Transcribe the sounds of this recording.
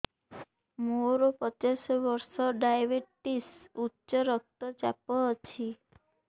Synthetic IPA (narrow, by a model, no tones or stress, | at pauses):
moɾɔpɔt͡ʃasɔbɔɾsɔɖajbeʈisutːʃɔɾɔk̚t̪ɔd͡ʒa̰pɔːt͡ʃʰi